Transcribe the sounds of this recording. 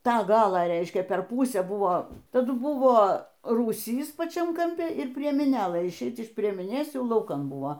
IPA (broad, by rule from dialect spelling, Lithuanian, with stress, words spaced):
ˈtɑː ˈɡɑːlˠɑː ˈrʲɛɪʃʲkʲɛ pʲɛr ˈpuːsʲæː ˈbʊʋoː tɐˈdʊ ˈbʊʋoː ruːˈsʲiːs pɐˈt͡ʃʲɛm kɐmʲˈpʲɪ ɪr pʲrʲiɛmʲɪˈnʲeːlˠɘ ɪʃʲˈɛɪt͡s ɪʃ pʲrʲiɛmʲɪˈnʲeːs ˈjɛʊ lˠɐʊˈkɐn buɔ